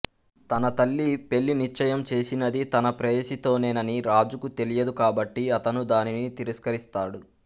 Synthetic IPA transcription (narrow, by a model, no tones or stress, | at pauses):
t̪ɐnɐt̪ɐɭːipe̞ɭːinit͡ʃːɐjɐmt͡ʃe̞ːsinɐd̪it̪ɐnɐpɾɐjesit̪o̞ːneːnɐniɾaːd͡ʒukut̪e̞lijɐd̪ukaːbɐʈːiɐt̪ɐnud̪aːninit̪iɾiskɐɾist̪aːɽu